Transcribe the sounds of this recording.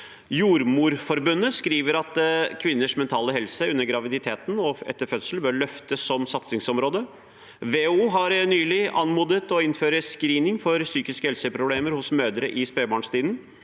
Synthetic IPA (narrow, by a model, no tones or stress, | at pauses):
juːɾmuːɾfɔɾbʉnːəskɾiːʋəɾɑt̪kʰʋɪnːəʂmɛnt̪ʰɑːləɦɛlsəʉnːəɾɡɾɑʋɪd̪ɪt̪ʰeːt̪n̩ɔɛ̰t̪ːəɾfœt̪səl̩bøːɾɭœft̪əsːɔmsɑt̪sɪŋsɔmɾoːd̪ə | ʋeːuːɦɑɾnyːlɪʔɑnmuːd̪ət̪ɔɪnføːɾəskɾiːnɪŋfɔɾsyːkɪskəhɛlsəpʰɾʊbleːməɾhʊsmøːd̪əɾəʔɪspeːbɑːɳst̪iːd̪n̩